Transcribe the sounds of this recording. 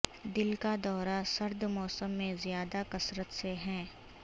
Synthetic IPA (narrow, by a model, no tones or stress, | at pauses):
d̪ɪlkad̪ɔːɾasɐɾd̪mɔːsəmːẽzjaːd̪akɐsɾət̪seɦɛ̃ː